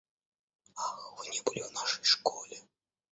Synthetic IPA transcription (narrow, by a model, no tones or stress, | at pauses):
axvɨnʲɛbɨlʲɪvnaʂə̥jʂkolʲɪ